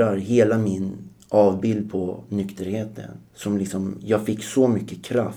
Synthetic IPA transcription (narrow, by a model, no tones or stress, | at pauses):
aɾɦeːlamɪn | ʔɑːvbɪld̪̚pʰɔnʏkt̪əɾheːt̪ʰə̰nsɔmlɪksɔmjɑːɡfɪkːsɔmʏkːəkʰɾaf